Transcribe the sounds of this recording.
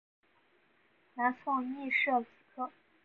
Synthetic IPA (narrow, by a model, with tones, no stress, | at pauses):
na˧˥nfɑ˥˧ŋmi˥˧ʂɤ˥˩t͡su˨˩kʰɤ˥